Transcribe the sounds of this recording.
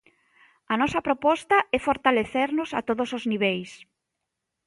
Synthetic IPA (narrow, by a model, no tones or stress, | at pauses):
ɐnɔsɐpɾopɔst̪ɐɛfoɾt̪aleθeɾnʊsa̰t̪oðosozniβ̞ejs